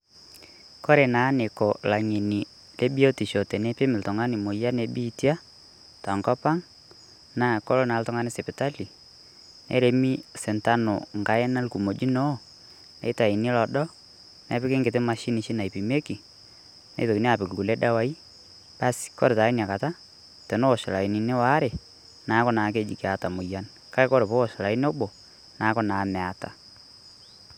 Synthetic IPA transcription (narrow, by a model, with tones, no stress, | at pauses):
kɔ˦ɾe˨na˨˦ne˨ko˨la˨ɲe˨ni˨ | lʔe˦bi˦o˦ti˨ʃo˨te˨nɛ˦pɪ˦mɪ˨ltʊ˨ŋa˦nɪ˨mo˨ja˦ne˨bi˦tja˦ | ta˨ŋkɔ˦pa˦ŋ | na˦˨ko˦lo˦na˨˦ltʊ˦ŋa˦nɪ˦se˨pɪ˨ta˦li˨ | nɛ̰˦ɾe˨mi˦sɛ˨nta˦no̰˨ŋɡa˨jɛ˦na˦lku˨mo˨d͡ʒi˦no˦ | nɛ̰˦i˦ta˨i˨ni˦lɔ˨ɗɔ˦ | nɛ̰˨˦pɪ˦kɪ˦ŋɡɪ˨tɪ˦ma˨ʃi˦ni˨˦ʃi˦na˨i˨pi˨me˦ki˨ | nḛ˦to˨ki˨ni˦a˨pɪ˨klu˨le˦da˦wa˦i˦ | pa˦skɔ̰˦ɾe˨ta˨i˦n˨a˨ka˨ta˦ | tɛ˨no˦o˨ʃa˨la˨i˨ni˨ne˦wa˨˦ɾe˨ | na˨˦kɔ˦na˨˦k̬e˦d͡ʒḭ˨ke˨˦a˨ta˨mʊ˨ja˦n | ka˦e˦ko˦ɾe˨po˦o˨ʃa˨la˨i˦n˦o˦ɓo˨ | na˨˦kɔ˦na˨˦mɛ˨a˨ta˨